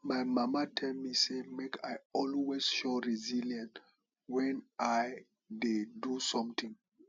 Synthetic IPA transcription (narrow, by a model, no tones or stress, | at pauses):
majmamatʰɛlmisemekʰajɔlwez̥ʃɔɹiziljãnt | wɛ̃na | dedusɔ̃mtĩŋ